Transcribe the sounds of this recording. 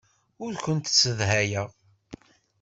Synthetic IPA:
ʊɾkʷənt̪t͡sːəðɦæjəʁ

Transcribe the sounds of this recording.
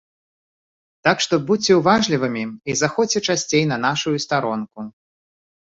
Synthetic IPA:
t̪akʂt̪ɔbut͡sʲːɛwvaʐlʲivɨmʲiizaxɔt͡sʲɛt͡ʂasʲt͡sʲejnɐnaʂujust̪aɾɔnku

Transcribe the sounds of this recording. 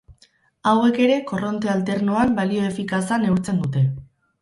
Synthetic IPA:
awe̞ke̞ɾe̞ko̞ro̞nt̪e̞alt̪e̞ɾnoambalio̞e̞fikasane̞uɾt͡se̞nd̪ut̪e̞

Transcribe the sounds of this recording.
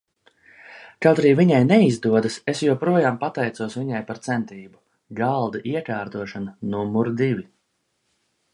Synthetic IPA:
kawt̪aɾiːviɲajnɛizd̪uɔd̪asesjuɔpɾuɔjaːmpat̪ɛjt̪suɔsviɲajpaɾt̪sɛnt̪iːbu | ɡalˠd̪aʔiɛkaːɾt̪uɔʃananumuɾd̪ivi

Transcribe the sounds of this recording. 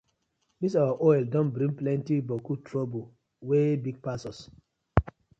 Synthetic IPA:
misawaʔɔɛldɔ̃nbɾĩŋplɛ̃ntibɔkutɹobu | webiɡ̚pasɔs

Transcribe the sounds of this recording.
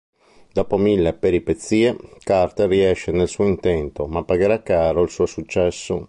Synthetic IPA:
d̪ɔːpomilːepeɾipet̪sːiːekart̪eriɛʃːenelsuːoint̪ɛnt̪omapːaɡeɾakːaːɾoilsuːosut͡ʃːɛsːo

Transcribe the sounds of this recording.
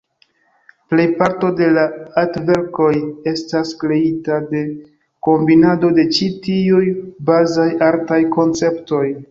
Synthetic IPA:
ple̞jpaɾto̞de̞laatve̞ɾko̞je̞staskɾe̞itade̞ | ko̞mbinado̞de̞t͡ʃitiujbazajaɾtajko̞nt͡se̞pto̞j

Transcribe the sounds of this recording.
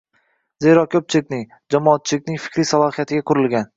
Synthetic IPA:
zeɾɒkʲʰɵp̚t͡ʃʰɪlɪk̚ʲnɪŋ | d͡ʒamɒːt̪̚t͡ʃʰɪlɪkʲnɪŋfɪ̥kʲɾisalˠɒhijat̪ʰɪɡʲakʰʊɾɪlɡʲan

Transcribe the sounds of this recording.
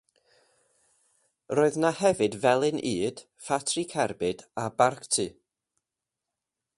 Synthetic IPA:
roɨðnahɛvɨdvɛlˠɪnʔiːd̥ | fatʰrikʰɛrbɨdabarktʰɨ

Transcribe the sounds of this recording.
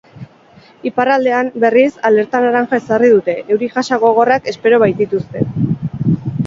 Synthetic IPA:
iparald̪e̞ambe̞risale̞ɾt̪anaɾaŋxaesarið̞ut̪e̞ʔːwɾiʝasaɣo̞ɣo̞rake̞spe̞ɾo̞β̞ajt̪it̪ust̪e̞

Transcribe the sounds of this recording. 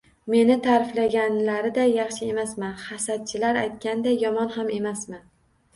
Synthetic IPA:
me̞nɪt̪ʰaɾɪflaɡʲanlaɾɪd̪ajɑχʃɪe̞masmanhasat̪̚t͡ʃʰɪlaɾajt̪̚kʲand̪ajɒmɒnhame̞masmɪ

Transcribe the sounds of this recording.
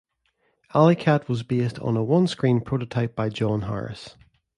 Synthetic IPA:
alˠikʰaʔwɔzbestʰn̩əwʌ̃nskɹ̥ĩnpʰɹ̥oʔətʰaɪp̚b̥aɪd͡ʒɔ̃nɦa̰ɹɪ̰s

